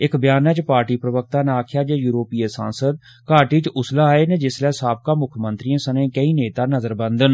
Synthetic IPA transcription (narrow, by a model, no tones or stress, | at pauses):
ɪkbjaːnɛːt͡ʃpaːɾʈiːpɾəʋək̚t̪aːnaːkʰjaːd͡ʒaːjuːɾoːpiːəsã̰ːnsəd̪̚ | kaːʈiːt͡ʃʊslaːeːneːd͡ʒɪslɛːsaːb̚kãːmʊkʰmə̃nt̪ɾiːãːsənẽːkəiːneːt̪aːnəzəɾbə̃nd̪ən